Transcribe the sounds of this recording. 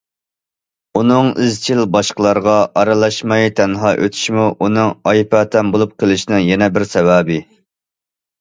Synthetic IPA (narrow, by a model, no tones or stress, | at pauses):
unɨŋɪzt͡ʃʰilbɑʃqəlˠɑɾʁɑʔɑɾɨlˠɑʃmɑjt̪ʰɛnɦɑːʔøt̪ʰy̥ʃimuʔunɨŋɑjpæt̪ʰɛnbolˠup̚qʰəlˠɪʃinɨŋjɛnɛbɪɾsɛwæːbɪ